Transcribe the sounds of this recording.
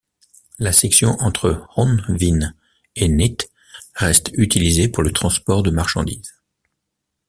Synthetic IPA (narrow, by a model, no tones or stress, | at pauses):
lasɛksjɔ̃ʔɑ̃t̪χəʁɔ̃nvin | enit̪ | ʁɛst̪yt̪ilizepuʁlət̪χɑ̃spɔʁd̪əmaʁʃɑ̰̃d̪iz̥